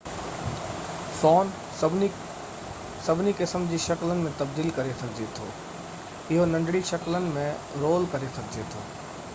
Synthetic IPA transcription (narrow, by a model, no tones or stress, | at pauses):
sɔːn | bʱ | sɐbʱɪnikɪsəmd͡ʑiːʃɐklənɪ̆mẽt̪ɐbd̪iːlkɐɾesɐɡʱɪd͡ʑet̪ʰo̰ː | ɪɦonɐ̃ɳɖɽiʃɐklənɪ̆mẽ | ɾoːlkɐɾesɐɡʱɪd͡ʑet̪ʰo̰ː